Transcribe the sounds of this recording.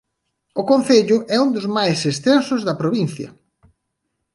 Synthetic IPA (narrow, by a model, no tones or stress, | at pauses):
ʊkõn̟θeʎʊʔɛund̪ʊzmajsest̪ensʊzðɐpɾoβin̟θjɐ̰